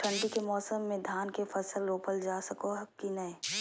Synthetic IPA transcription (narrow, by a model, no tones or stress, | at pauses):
ʈʰə̃ɳɖikemɔːsəmːẽd̪ʱaːnkefɐsəlɾoːpəld͡ʒaːsəkoɦɐkinɐẽ